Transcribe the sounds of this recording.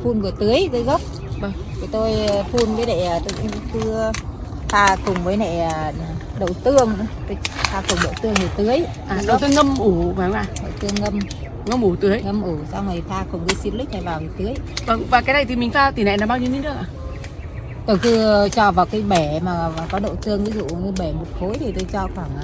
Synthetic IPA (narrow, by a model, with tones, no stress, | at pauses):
fu˧nvɨ˨˩t̪ɨ˨˦əjt̪ɨː˨˦jɣə˦˥wk͡p̚ | və˧˩ŋt̪ʰi˨˩t̪o˧jfu˧nvəː˨˦jnḛ˧˩˨t̪o˧jkkɨ˧ | t̪ʰaː˧kʊ˨˩ŋ͡mvəː˨˦jnḛ˧˨a˨˩˨ | ɗə̰˧˨wt̪ɨ˧əŋt̪o˧jt̪ʰaː˧kʊ˨˩ŋ͡mɗə̰˧˨wt̪ɨ˧əŋvɨ˨˩t̪ɨ˨˦əj | ʔaː˨˩ɗə˨˦t̪o˧jŋə˧mʔu˧˩vaː˨˩˨ʔaː˨˩ɗ̪o˧˩t̪ɨ˧əŋŋə˧m | ŋə˧mʔu˧˩t̪ɨ˨˦əjŋə˧mʔu˧˩sa˧wŋa˨˩jt̪ʰaː˧kʊ˨˩ŋ͡mkɨ˨˦si˧nli̟˦˥na̰˧˩jvaː˨˩˨t̪ɨ˨˦əjvə˧˩ŋvaː˨˩kaː˨˦jna˨˩jt̪ʰi˨˩mï˨˩ŋ̟saː˧wt̪i˨˩na̰˧˨na˨˩ɓaː˧wɲi˧əni˧˦nɗɨ˦əkʔaː˨˩ | t̪o˧˩jkɨ˧t͡ɕɔ˧˩vaː˨˩wka˨˦jɓɛ˧˩maː˨˩vaː˨˩kɔ˨˦ɗə̰˧˨wt̪ɨ˧əŋvi˨˦zṵ˧˨ŋə˧ɓɛ˧˩mo˨˩t̚xo˨˦jt̪ʰi˨˩t̪o˧jt͡ɕɔ˧kwaː˧˩ŋː˨